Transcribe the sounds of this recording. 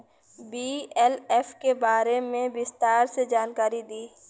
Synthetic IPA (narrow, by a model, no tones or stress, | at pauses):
biːɛleːfkebaːɾemẽbɪst̪aːɾsed͡ʒaːnkaːɾid̪iː